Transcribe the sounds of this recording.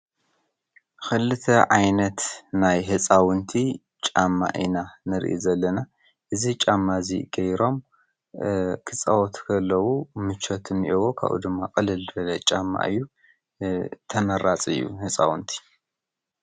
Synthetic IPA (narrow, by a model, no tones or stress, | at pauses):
xɨlɨt̪ʰɐʕajnɐt̪najɦɨt͡sʼawɨnt̪ʰi | t͡ʃʼamːa̰ʔinanɨɾ̰ʔḭzɐlːɐna | ʔɨzit͡ʃʼamːaziɡ̥ɐjɾo̞m | kʰɨt͡sʼɐwot̪kʰɐlːɐwumɨt͡ʃʰot̪ʰɨnʔewokʰa̰βʔṵd̪ɨmːakʼɨlɨlɨbɐlɐt͡ʃʼamːa̰ʔɨjːu | t̪ʰɐmɐɾat͡sʼɨjːṵhɨt͡sʼa̰wɨnt̪ʰi̥